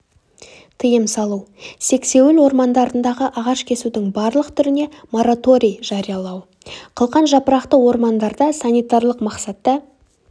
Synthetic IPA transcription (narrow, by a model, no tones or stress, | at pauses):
t̪ʰəjəmsɑlˠuwse̞kse̞wɪlwo̞ɾmɑnd̪ɑɾənd̪ɑʁəʔɑʁɑʃkʲʰe̞sud̪ɪŋbɑɾlˠəqt̪ʰʏɾɪne̞mo̞ɾat̪o̞ɾʲijʒ̥ɑɾijɑlˠɑw | qʰəlˠqɑnʒɑpəɾɑqt̪əwo̞ɾmɑnd̪ɑɾd̪ɑsanʲijt̪aɾlˠəqmɑqsɑt̪ːɑ